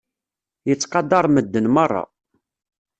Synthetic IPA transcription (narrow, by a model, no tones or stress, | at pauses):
jət͡sːqɑd̪ɑɾˤməd̪ːənmərˤːɑ̰